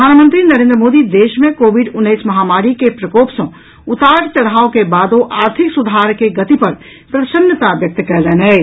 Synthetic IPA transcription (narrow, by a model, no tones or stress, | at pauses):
pəd̪ʱaːnmə̃nt̪ɾinəɾẽnd̪ɾəmoːd̪id̪eːʃmẽkobʱiɖʊnːəɪsmɐɦamaːɾikepɾəkoːpsɐ̃ | ut̪aːʈt͡ʃəɽ̤aːokebaːd̪oʔaːɾt̪ʰiksud̪ʱaɾkeɡət̪ipəɾ | pɾəsənjət̪abjək̚t̪kɛɦlɛnɛ